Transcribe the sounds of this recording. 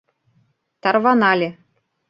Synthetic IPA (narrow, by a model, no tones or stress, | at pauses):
t̪ɑrvɑnɑlʲe